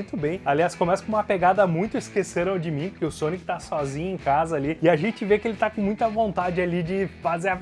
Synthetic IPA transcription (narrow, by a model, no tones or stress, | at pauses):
j̃t̪ʊbẽj̃aliaskõmɛsɐ̥kõũmɐpeɡad̪ɐmũj̃t̪ʊɪskeseɾɐ̃w̃d͡ʒɪmĩpoɾkeʊsõnɪkɪ̥t̪asɔzĩɲʊẽkazɐaliɪaʒẽnt͡ʃɪvekɪelɪt̪akõmũj̃t̪ɐvõnt̪ad͡ʒɪalid͡ʒɪfazeɾ